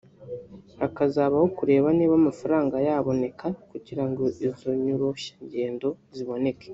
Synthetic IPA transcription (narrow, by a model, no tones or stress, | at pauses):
akazaːβahokuɾe̞ːβaniːβamafaɾaːŋɡajaːβo̞ne̞kʰakuɟiɾaŋɡoizo̞ɲuɾoʃḁɲɟe̞ːndo̞ziβo̞ne̞ke̥